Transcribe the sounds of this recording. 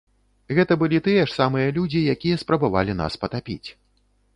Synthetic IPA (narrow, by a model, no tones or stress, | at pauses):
ɣɛt̪ɐbɨlʲit̪ɨjɐʂsamɨjɐlʲud͡zʲijakʲijɐspɾɐbava̰lʲina̰spɐt̪apʲḭt͡sʲ